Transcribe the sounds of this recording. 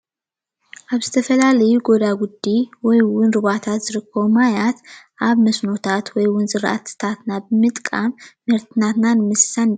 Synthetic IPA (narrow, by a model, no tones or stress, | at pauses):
ʔaβzɨt̪ʰəfəlaləjuɡo̞d̪aɡud̪ːiwɔjwʊnɾɨβat̪ʰat̪zɨɾɨkʰːowmajat̪ʔaβməsno̞t̪ʰat̪wɔjwʊnzɨɾʔa̰t̪ːɨ̥t̪ʰat̪ɨnabɨmɨt̪ʼkʼamː | əɾt̪ʰɨnat̪nanmɨssan